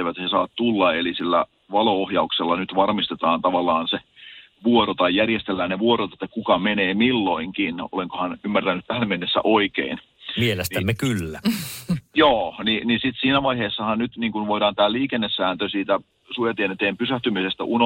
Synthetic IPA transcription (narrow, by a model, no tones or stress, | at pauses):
eʋæt̪ːhesɑːt̪t̪ulːɑelisilːæ̰ | ʋɑloohjɑukselːɑnyt̪ʋɑrmist̪et̪ɑːnt̪ɑʋɑlːɑːnse | ʋuoɾot̪ɑijjærjest̪elːæːnneʋuoɾot̪et̪ːækukɑmeneːmilːoiŋkino̰leŋkohɑnymːært̪ænːˑyt̪t̪æhæmmenːesːæ̰ʔoikḛin | mielestniæmːekylːæ | joːninisit̪siːnæʋɑiheːsːɑhɑnnyt̪niːŋkunʋoiɾɑːnt̪æːliːkenːesːæːnt̪øsiːt̪æ | sujɑt̪ienet̪eːmpysæht̪ymisest̪æ̰ʔuno